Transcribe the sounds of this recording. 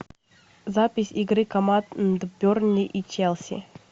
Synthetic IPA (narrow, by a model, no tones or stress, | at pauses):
zapʲɪsʲiɡɾɨkɐmand̪bʲornʲɪʔit͡ɕɛlˠsʲḭ